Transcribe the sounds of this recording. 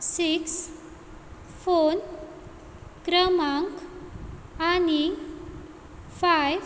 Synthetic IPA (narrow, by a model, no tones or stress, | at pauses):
siks | fon | kɾəmaŋk | ani | faj